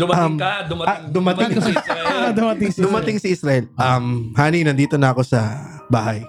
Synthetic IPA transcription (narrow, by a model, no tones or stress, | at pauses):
d̪ʊmɐmd̪ɐad̪ʊmɐt̪ɪŋ | ɐd̪ʊmɐt̪ɪŋsd̪ʊmɐt̪ɪŋsɐʔɪsɾɐʔɛlɐmhaːninɐnd̪iːt̪o̞nɐɐko̞sɐ | baːɦɐj